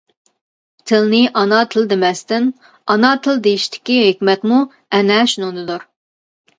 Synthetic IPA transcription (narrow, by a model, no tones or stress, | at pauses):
t̪ʰɪlnɪʔɑnɑt̪ʰɨlˠd̪emɛst̪ɪn | ɑnɑt̪ʰɨld̪ejiʃt̪ʰɪ̥kʲiɦekʲmɛt̪mu | ɛnɛːʃnonɨd̪uɾ